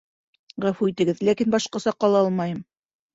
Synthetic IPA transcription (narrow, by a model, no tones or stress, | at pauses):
ʁæfuit̪ɘ̆ɡɘðlækinbɑʃqɑ̆sɑqɑlˠɑɑlˠmɑjɤm